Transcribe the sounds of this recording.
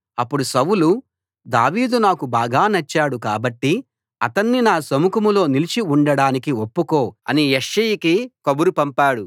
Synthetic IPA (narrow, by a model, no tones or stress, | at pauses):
ɐpːuɽusɐwulu | d̪a̰ːʋiːd̪unaːkubaːɡaːnɐt͡ʃːaːɽuka̰ːbɐʈːi | ɐ̰t̪ɐnːinaːsɐmukɐmulo̞ːnilit͡ʃiuɳɖɐɽaːnikiopːukoːɐ̰nijeʂːɐjikikɐbuɾupɐmpaːɽu